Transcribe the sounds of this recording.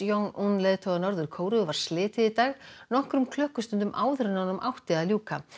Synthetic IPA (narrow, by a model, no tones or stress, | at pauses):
joŋʔunleːðt̪ʰowɣanɔɾðʏɾ̥kʰoːwɾʏvaɾ̥slɪːt̪ɪðit̪aːɣnɔhkɾʏmkʰl̥œhkʏst̪ʏnt̪ʏmʔaːwðʏɾʏnanʏmʔawht̪ɪðaljuːka